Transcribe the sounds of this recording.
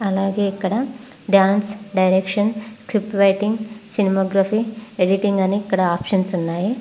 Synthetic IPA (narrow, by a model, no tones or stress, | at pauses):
ɐlaːɡeːkːɐɽɐ | ɖaːnsɖɐjɾekʂɐnskɾip̚ʈʋɐjʈiŋɡsinimaːɡɾapʰieɽiʈiŋɡɐnːiːkːɐɽɐaːpʃɐnsunːaːji